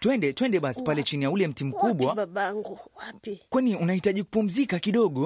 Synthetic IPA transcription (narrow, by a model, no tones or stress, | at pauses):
twɛndɛtwɛndɛɓasi̥palɛt͡ʃinijaulɛm̩tim̩kuɓwaaɓaŋɡuwapikwɛniunahitaʄiku̥pum̩zikakiɗɔɠɔ